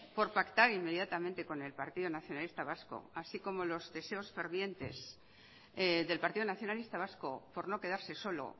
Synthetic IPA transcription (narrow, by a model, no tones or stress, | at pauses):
po̞ɾpakt̪aɾimːe̞ð̞jat̪amẽnt̪e̞ko̞ne̞lpaɾt̪iðonaθjonalist̪aβasko̰asiko̞mo̞lo̞zðe̞se̞o̞sfe̞ɾβje̞nt̪e̞̰z | ðe̞lpaɾt̪iðonaθjo̞nalist̪aβ̞asko̞po̞ɾno̞ke̞ð̞aɾse̞so̞lo̞̰